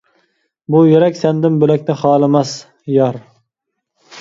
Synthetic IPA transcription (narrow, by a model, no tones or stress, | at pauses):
bʊjeɾɛkʲsand̪ɪmbɵlæk̚ʲnɪχɑːlˠɪmas | jɑɾ